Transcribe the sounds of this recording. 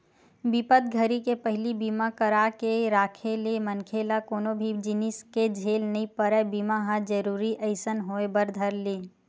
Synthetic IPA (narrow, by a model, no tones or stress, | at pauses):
bɪpət̪̚ɡʱəɾikepəɦɪlibiːmakəɾakeɾaːkʰelemənkʰeːlakoːnobʱid͡ʒɪnɪsked͡ʒʱeːlnəɦĩpəɾəbimaɦãd͡ʒəɾuːɾiʔəɪsənɦoebəɾd̪ʱəɾleː